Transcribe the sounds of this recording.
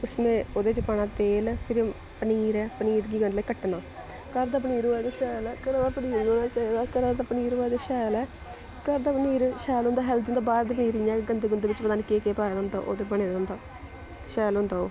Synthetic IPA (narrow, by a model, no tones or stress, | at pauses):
ʊsmẽːoːd̪eːd͡ʒəpaːnaːt̪eːlpʰɪɾ | pəniːɾɛːpəniːɾɡiːɡəɳləːkəʈːnaː | kəɾd̪aːpəniːɾoːaːd̪eːʃɛːlɛːkəɾaːd̪aːpəniːɾloːnaːt͡ʃaːiːd̪aːkəɾaːd̪aːpəniːɾoaːd̪eːʃɛːlɛː | kəɾd̪aːpəniːɾʃɛːlʊ̃nd̪aːɦɛːld̪ənd̪aːbaːɾd̪eːpəniːɾijãːkɡənd̪eːɡʊnd̪eːʋɪt͡ʃpəd̪aːnkeːkeːpaːjaːd̪nd̪ao̰ʔo̰ːd̪eːbəneːd̪ʊ̃nd̪aː | ʃɛːlɦʊ̃nd̪aːoː